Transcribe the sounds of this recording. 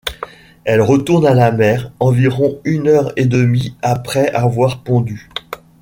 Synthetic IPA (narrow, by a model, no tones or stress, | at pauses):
ɛlʁət̪uʁnalamɛʁɑ̃viʁɔ̃ynœʁed̪əmiapχɛʔavwaʁpɑ̃d̪y